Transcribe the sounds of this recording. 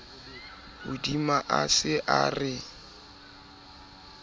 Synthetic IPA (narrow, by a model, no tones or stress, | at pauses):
ʊdimaʔasɪʔarɪ